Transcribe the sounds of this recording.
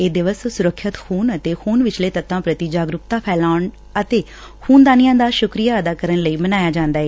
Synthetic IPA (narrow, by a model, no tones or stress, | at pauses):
eːd̪ɪʋəssʊɾəkʰːɪt̪xuːnət̪eːxuːnʋɪt͡ʃleːt̪ət̪ːãːpɾət̪iːd͡ʒaːɡɾʊkt̪aːpʰɛːlaːɳ | ət̪eː | huːnd̪aːnɪjãːd̪aːʃʊkɾijaːəd̪aːkəɾənləiːmənaːjaːd͡ʒãːnd̪aːɦɛː